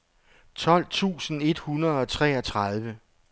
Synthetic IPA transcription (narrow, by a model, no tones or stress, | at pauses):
t͡sʰɒ̽l̰t͡sʰṵːsn̩e̝d̥hunɐð̞̩ˠɒ̽t͡sʰʁɛ̰ːɒt͡sʰʁɑð̞ˠʋə